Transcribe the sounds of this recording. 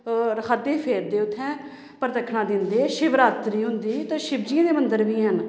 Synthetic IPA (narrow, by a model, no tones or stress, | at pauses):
ɾəkʰaːd̪eːpʰeːɾd̪eːʊt̪ʰːɛ̃ː | pəɾt̪əkʰːɳãːd̪ɪ̃nd̪eːʃɪʋɾaːt̪ɾiːɦʊnd̪iːt̪ãːʃɪbd͡ʒiãːd̪eːmənd̪əɾʋiːɦən